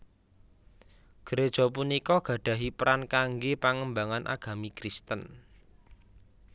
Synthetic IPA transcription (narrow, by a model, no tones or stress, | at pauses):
ɡ̥əɾed̥ʒ̥ɔ̤p̬unikɔɡ̥ä̤ɖ̥ä̤ɦipəɾankaŋɡepaŋəmbaŋanʔa̰ɡ̥a̤mikɾist̪ən